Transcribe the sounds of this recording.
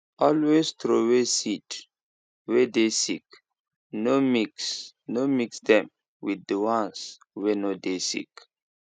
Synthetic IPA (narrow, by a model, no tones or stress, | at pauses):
ɔlwestɾowesit | wedesḭk | nomiksnomiksdɛ̃m | widdəwãns | wenodesḭk